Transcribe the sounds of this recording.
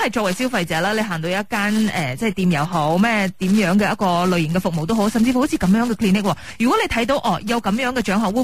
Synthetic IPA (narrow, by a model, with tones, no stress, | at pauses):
hɐ˨˩jt͡ʃɔː˧k̚wɐ˨˩jsi˥wfɐ˧jt͡sɛː˨˧laː˥le˨˧jɦaː˨˩ŋt̪o˧wjɐ˥t̚kaː˥nʔɛ̰ː˨t͡sɛ˥˩˨t̪iː˧mjɐ˨˩wɦo˨˥wmɛː˥˧t̪iː˨˥mjœː˨˥ŋkɛː˧jɐ˥t̚kɔː˧lɵ˨˧ɥjɪ˨˩ŋkɛ˧fʊ˨k̚mo˨˩wt̪o˥wɦo˨˥wsɐ˨mt͡si˧fho˨˥wt͡sʰiː˧kɐ˨˧mjœː˨˥ŋkɛː˧kʰliː˧˥nɪ˥kwɔː˧˩jyː˨kwɔ˨˥le˨˧jt̪ʰɐ˨˥jt̪o˧wʔɔː˨˧˩jɐ˨˧wkɐ˨˧mjœː˨˥ŋkɛː˧t͡ʃœː˨˥ŋɦɔː˨˩wu˨˧